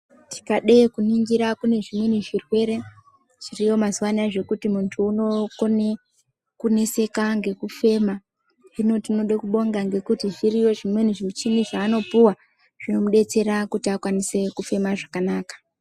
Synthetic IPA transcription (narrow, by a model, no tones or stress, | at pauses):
tʰi̥kaɗekuniŋɡiɾakune̞ʐimweniʐirwe̞ɾe̞ | ʐ̥irijo̞mazuwanaʐe̞kutimuntʰuːno̞kone | kune̞se̞kaŋɡe̞kufe̞ma | ino̞tino̞ɗekuɓo̞ŋɡaŋɡe̞kutiʐirijo̞ʐimweniʐimut͡ʃiniʐaːno̞puwa | ʐ̥ino̞muɗe̞t͡se̞ɾakutiakwanise̞kufe̞maʐakanaːkḁ